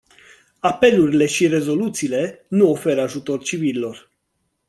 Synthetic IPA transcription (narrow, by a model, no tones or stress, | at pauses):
ape̞luɾile̞ʃire̞zo̞lut̪siːle̞nuo̞fe̞ɾaʒut̪o̞rt͡ʃivililo̞r